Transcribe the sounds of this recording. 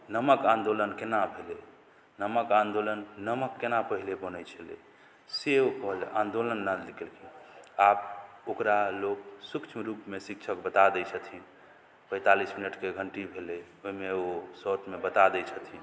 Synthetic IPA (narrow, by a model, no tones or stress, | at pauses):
nəməkãnd̪olənkenabʱele | nəməkãnd̪olənːəməkːenapəɦilebənət͡ʃʰəlḛ | seokəɦleʔãnd̪olənːalikɛlkʰiap̚okɾaloksukt͡ʃʰmɾupmesik̚t͡ʃʰəkbət̪ad̪ɛt͡ʃʰət̪ʰi | pə̃ɪt̪alisminəʈkeɡʱəɳʈibʱele | oɦimeosoʈmebət̪ad̪ɛt͡ʃʰət̪ʰi